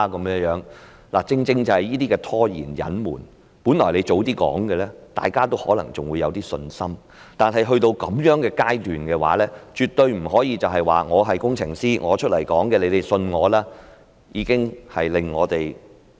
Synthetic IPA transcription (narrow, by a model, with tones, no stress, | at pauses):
kɐ˨˦mjœː˨˧ŋjœː˨˥ŋ | la̰ː˨˩t͡sɪ˧ŋt͡sɪ˧ŋt͡sɐ˨˩hɐ˨˩jiː˥t̪iː˥kɛː˧t̪ʰɔː˥jḭː˨˩njɐ̰˨˥nmṵː˨˩n | puː˨˥nlɔː˨˩jle˨˧jt͡so˨˧wt̪iː˥kɔ̰ː˨˥ŋkɛ˧lɛ˥t̪a̰ː˨jkaː˥t̪o˥whɔː˨˥lɐ˨˩ŋt͡sʊ˨ŋwuː˨˧jɐ˨˧wt̪iː˥sɵ˧nsɐ˥m | t̪aː˨˩nɦɐ˨jɦɵ˧ɥt̪o˧wkɐ˨˧˥mjœː˨˥ŋkɛː˧kaː˥jt̪yː˨nkɛː˧wa̰ː˨˥lɛː˥t͡ʃyː˨t̪ɵ˧ɥm̩˨˩ɦɔː˨˥jiː˨˧t͡sɐ˨wɦɐ˨jwa̰ː˨˩ŋɔː˨˧ɦɐ˨jkʊ˥ŋt͡sʰɪ̰˨˩ŋsiː˥ŋʔɔː˨˧t͡ʃʰɵ˥t̚lɐ˨˩jkɔ̰ː˨˥ŋkɛː˧le˨˧jt̪e˨jsɵ˧nŋɔː˨˧laː˥ | jiː˨˧˥kɪ˥ŋhɐ˨jlɪ˨ŋːɔː˨˧t̪e˨j